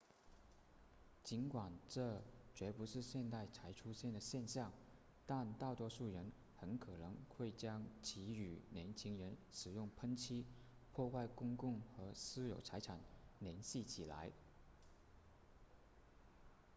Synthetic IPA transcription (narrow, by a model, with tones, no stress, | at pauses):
t͡ɕi˧˥nkwa˨˩nʈ͡ʂɤ˥˩t͡ɕɥɛ˧˥pu˧˥ʂɻ̩˥˧ɕjɛ˥˧nt̪a˥˩ɪt͡sʰa˧˥ɪʈ͡ʂʰu˥ɕjɛ˥˩nd̪ə˩ɕjɛ˥˧nɕjɑ˥˩ŋ | t̪a˥˧nt̪ɑ˥˩t̪wɔ˥ʂu˥˩ɻə˧˥n | xə˧˥nkʰɤ˨˩nɤ˧˥ŋxwe˥˩ɪt͡ɕjɑ˥ŋt͡ɕʰi˧˥y˨˩njɛ˧˥nt͡ɕʰi˥ŋɻə˧˥nʂɻ̩˨˩jʊ˥˩ŋpʰə˥ŋt͡ɕʰi˥ | pʰwɔ˥˧xwa˥˩ɪkʊ˥ŋkʊ˥˩ŋxɤ˧˥sɹ̩˥jo˨˩ʊt͡sʰa˧˥ɪʈ͡ʂʰa˨˩nljɛ˧˥nɕi˥˩t͡ɕʰi˨˩la̰˧˥ɪ